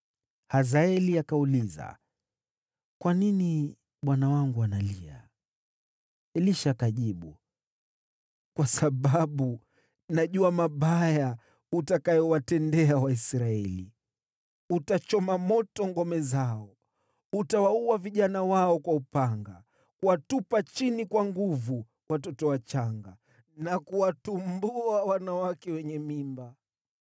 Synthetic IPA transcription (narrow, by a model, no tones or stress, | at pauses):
hazaɛliakauliza̰ | kwanini | ɓwanawaŋɡuanalia̰ | ɛliʃakaʄiɓu | kwasaɓaɓu | naʄuamaɓaja | utakajɔwatɛndɛawaisɾaɛlḭ | utat͡ʃɔmamɔtɔŋɡɔmɛzaɔ | utawauaviʄanawaɔkwaupaŋɡa | kuwatupat͡ʃinikwaŋɡuvu | watɔtɔwat͡ʃaŋɡa | nakuwatumbuawanawakɛwɛɲɛmimba